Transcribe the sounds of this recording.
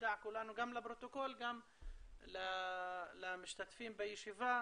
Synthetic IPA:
d̪aʕkʊlanuɡamːlabɾot̪okoːlɡamː | la | lamʊʃt̪at̪fiːmbɪjʃɪva

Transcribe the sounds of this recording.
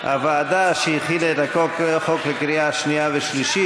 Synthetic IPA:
a̰vaːd̪aʃejiχilaet̪akokχoklekɾijaʃniaveʃliʃi

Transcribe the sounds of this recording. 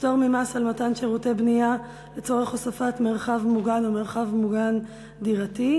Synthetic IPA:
toʁmimasalmatanʃeʁutebnija | let͡soʁeχosafatmeʁχavmuɡanomeʁχavmuɡan | diʁati

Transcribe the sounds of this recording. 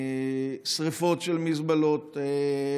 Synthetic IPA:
sʁifo̞tʃelmizbalot̪e

